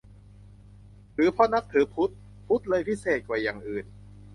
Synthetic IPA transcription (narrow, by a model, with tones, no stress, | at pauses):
t̪ʰɯː˨˩˦pʰɔ˦˧˥na˦˥k̚t̪ʰɯː˨˩˦pʰu˦˥t̪̚ | pʰu˦˥t̪̚lɤː˧jpʰi˦˥seː˨˩t̪̚kwaː˨˩jaː˨˩ŋʔɯː˨˩n